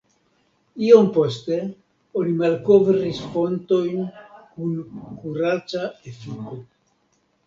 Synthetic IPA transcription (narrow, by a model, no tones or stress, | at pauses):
iompo̞ste̞ | onimalko̞vɾisfo̞nto̞jnkunkuɾat͡saefiko